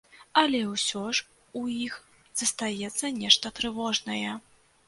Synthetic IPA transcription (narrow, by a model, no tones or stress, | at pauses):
ɐlʲɛwsʲɔʂ | ujix | z̥ɐst̪ajɛt̪sːɐnʲɛʂt̪ɐt̪ɾɨvɔʐnɐjɛ